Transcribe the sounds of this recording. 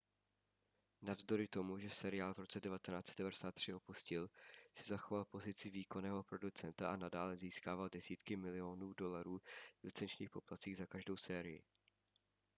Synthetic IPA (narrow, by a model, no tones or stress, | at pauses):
navzdo̞ɾɪt̪o̞muʒɛsɛɾɪaːlvɾo̞t͡sɛdɛvat̪ɛnaːt͡sɛd̪dɛvadɛsaːt̪ːr̝̥ɪʔo̞puscɪlsɪzaxo̞valpo̞zɪt͡sɪviːko̞nɛːɦo̞pɾo̞dut͡sɛnt̪aʔanadaːlɛziːskaːvaldɛsiːt̪kɪmɪlɪo̞nuːdo̞laɾuːvlɪt͡sɛnt͡ʃɲiːxpo̞plat̪t͡siːɣzakaʒdo̞wsɛːɾɪjɪ̰